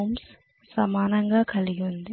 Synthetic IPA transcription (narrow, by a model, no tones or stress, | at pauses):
wms | sɐmaːnɐŋɡaːkɐliɡiund̪i